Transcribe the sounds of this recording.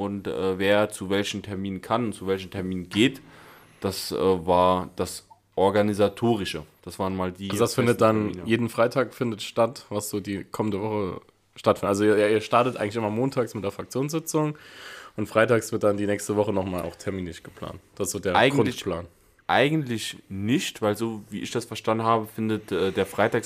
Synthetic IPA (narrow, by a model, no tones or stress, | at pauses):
ʔʊntʔɛ̰ːveːɐt͡suvɛlçn̩tʰɛɐmiːnənkʰanʊntt͡suvɛlçn̩tʰɛɐmiːnənɡeːt | d̥asʔɛːvaːɐd̥as | ʔɔɐɡanizatʰoːʁ̞ɪʃəd̥asv̥aːʁnmaːldiːazodasfɪndətd̥anmːnjeːdn̩fʁ̥aɪtʰaːkfɪndətʃtatvasz̥oːdiːkʰɔməndəvɔχə | ʃtatfɪnətʔalzoːɐaiːɐʃtaɐtətʔaɪɡŋtlɪçʔɪmɐmoːntʰaːksmɪtd̥eːɐfʁ̥ak̚t͡sjoːnsz̥ɪt͡sʊŋʔʊntfʁ̥aɪtaːksv̥ɪɐt̚d̥andiːnɛːkstəvɔχənɔχmaːlʔa̰ʊxtʰɛɐminlɪʃɡ̥əpʰl̥a̰ːntd̥asɪsz̥oːdeːɐʔaɪɡʊnlɪplaːn | ʔa̰ɪɡən̩tlɪçnɪçtv̥aɪlzoːviːʔɪçd̥asfɛɐʃtandn̩haːbəfɪndətʔɛːdeːɐfʁ̥aɪtaːk